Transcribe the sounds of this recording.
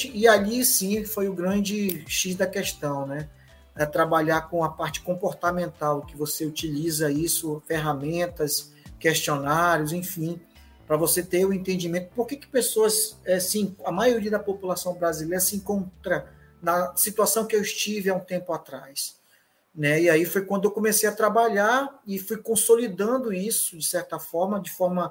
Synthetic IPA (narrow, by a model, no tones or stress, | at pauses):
iaʎisĩfojʊɡɾɐ̃d͡ʒɪʃiʃd̪ɐkɛʃt̪ɐ̃w̃nɛ | ɛt̪ɾabaʎakõɐpaɾt͡ʃɪ̥kõpoɾt̪amẽnt̪awkɪvoseut͡ʃilizɐisʊfeɦamẽnt̪ɐs | keʃt͡ʃionaɾjʊzẽfĩ | pɾɐvoset̪eɾʊ̃ẽnt̪ẽnd͡ʒimẽnt̪ʊ̥poɾkekɪ̥pesoɐsɛsĩkɐmajoɾiɐd̪ɐpopulasɐ̃w̃bɾazilejɾɐsɪẽŋkõnt̪ɾɐ | nɐsit̪uasɐ̃w̃kɪewɪʃt͡ʃivɪaũt̪ẽmpʊat̪ɾajs | nɛiaifojkwɐ̃nd̪ʊewkõmesejat̪ɾabaʎaɾɪfujkõsolid̪ɐ̃nd̪ʊisʊd͡ʒɪsɛɾt̪ɐfɔɾmɐd͡ʒɪfɔɾmɐ